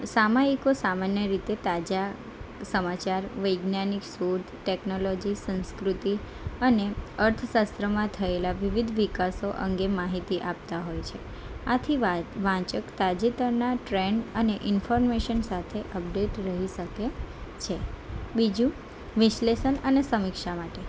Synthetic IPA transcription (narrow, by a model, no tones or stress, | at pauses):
samaikosamanjəɾit̪et̪ad͡ʒa | səmat͡ʃaɾʋəjɡnjaniksuɾd̪ʰʈɛknolɔd͡ʒisə̃nskɾut̪i | əneəɾt̪ʰəʃast̪ɾəmãt̪ʰəelaʋiʋid̪ʱʋikasoʔə̰ŋɡemaɦit̪iʔap̚t̪aɦojt͡ʃʰe | at̪ʰiʋãt͡ʃəkt̪ad͡ʒit̪əɾnaʈɾeɳɖəneʔɪnfɔɾmeʃənsat̪ʰeʔəp̚ɖeʈɾəɦiʃəket͡ʃʰebid͡ʒũ | ʋɪʃleʃənənesəmikʃamaʈe